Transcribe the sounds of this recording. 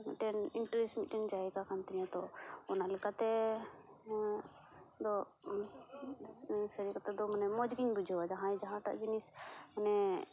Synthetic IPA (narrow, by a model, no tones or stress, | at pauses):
ʈɛniɳʈɾismit̪ʈɛnd͡ʒaikakʰant̪iɲat̪ɔɔnalɛkat̪ɛ | d̪ɔ | səɾikat̪ɛd̪ɔmənɛmɔd͡ʒɡiɲbud͡ʒʱɔwad͡ʒaɦãjd͡ʒaɦãʈa̰ʔd͡ʒinismənɛ